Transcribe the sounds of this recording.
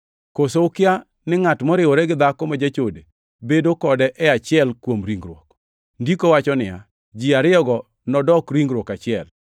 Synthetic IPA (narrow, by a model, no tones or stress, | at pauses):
kosowkɪa | nɪŋatmɔɾɪwoɾɛɡɪd̪akɔmad͡ʒat͡ʃode | bedokɔdɛʔɛat͡ʃɪɛlkwomɾiŋɡɾwɔk | ndikowat͡ʃɔnɪja̰ | d͡ʒiaɾɪɔɡɔ | nɔdɔkɾiŋɡɾwɔkat͡ʃɪɛl